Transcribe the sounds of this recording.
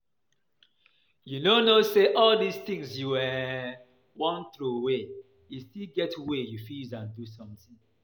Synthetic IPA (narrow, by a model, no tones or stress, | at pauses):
junonoseʔɔldist̪ĩŋsjuwɛ | wɔ̃nθɹuwe | justilɡɛtwejufizãndusɔ̃mtĩŋ